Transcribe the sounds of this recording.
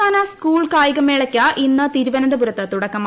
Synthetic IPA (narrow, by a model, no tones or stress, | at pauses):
aːnɐskuːɭkaːjiɣɐmeɭɐkʲːaʔinːɨt̪iɾuʋɐnɐnd̪ɐbuɾɐt̪ːɨt̪uɽɐkːɐmː